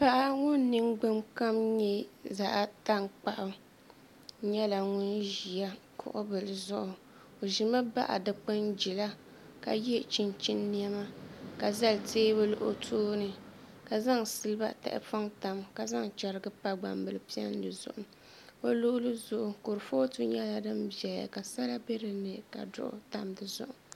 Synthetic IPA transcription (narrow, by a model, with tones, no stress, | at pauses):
pa˦ʔa˦ŋʊ˦nː˨˦ɨ˦ŋɡ͡bɨ˦mka˦mɲɛ˦za˨ʔta˦ŋk͡pa˨ʔʊ˦ | ɲɛ˦la˨ŋʊ˦nʒi˨a˦kʰʊ̰˨ʔʊ̰˦bɨ˨lɨ˨zʊ˦ʔʊ˨ | o˨ʒi˨ma˦ba˦ʔa̰˨dɨ˨k͡pɨ˦nd͡ʒi˨la˦ | ka̰˨jɛ˦t͡ʃi˨nt͡ʃi˦nː˦i˦ɛ˦ma˦ka˨za˦lteː˦bɨ˦lʊ˦˨ʔʊ̰˦tʰoː˦nɨ˨ | ka˨za˦ŋsɨ˦lɨ˦ba̰˦ta̰˨ʔɪ̰˦fa˦ŋta˨mka˨za˦ŋt͡ʃɛ˨ɾɨ˦ɡɨ˦pa˦ɡ͡ba˨mbɨ˦lɨ˦pi˦ɛ̰˦n˦dɨ˨zʊ̰˨ʔʊ˦ | o˦lʊ˦ʔʊ˦lɨ˦zʊ˨ʔʊ˨ko˨ɾɨ˨fo˦tu˦ɲɛ˦la˨dɨ˦mbi˨ɛ˨ja̰˨ka˨sa˦la˦be˦ɾɨ˨nɨ˨ka̰˨dʊ̰˦˨ʔʊ̰˦ta˦mdɨ˨zʊ̰˦ʔʊ˨